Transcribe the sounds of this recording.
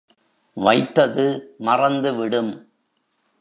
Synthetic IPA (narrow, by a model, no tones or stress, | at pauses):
ʋɐɪt̪ːɐðɯmɐrɐnd̪ɯʋɪɽɯm